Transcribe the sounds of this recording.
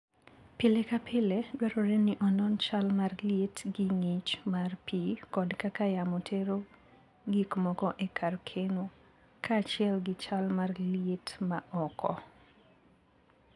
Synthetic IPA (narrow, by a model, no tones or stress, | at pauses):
pɪlekapʰɪleɡwɛɾoɾeniʔɔnɔnt͡ʃalmarljetɡɪŋit͡ʃmarpʰikɔdkakajamotʰeɾo | ɡikmɔkɔʔekʰarkʰeno | kʰaːt͡ʃɪɛlɡɪt͡ʃalmarlijetmaʔɔkʰɔ̰